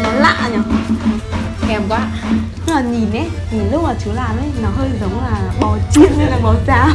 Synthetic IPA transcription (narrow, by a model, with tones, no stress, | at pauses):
nɔ˨˦la̰ː˧˨ɲɔ˨˦ | kɛ˧˩mkwaː˨˦ | laː˨˩ɲi˨˩nːɛ˨˦ | tʰi˨˩lʊ˦˥k͡p̚maː˨˩t͡ɕu˨˦əlaː˨˩mʔə˨˦jnɔ˨˦ɦəː˧jt̪ʰi˨˩zə˨˦ŋ͡mlaː˨˩ɓɔ˨˦t͡ɕi˧˥ən̚ne˧˦laː˨˩ɓɔ˨˦t͡ɕaː˧˩